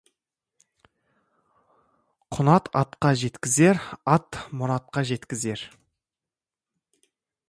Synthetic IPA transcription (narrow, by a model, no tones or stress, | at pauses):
qʰʊnɑt̪ɑt̪qɑʒe̞t̪kʲɪze̞ɾɑt̪mʊɾɑt̪̚qɑʒe̞t̪kʲɪze̞ɾ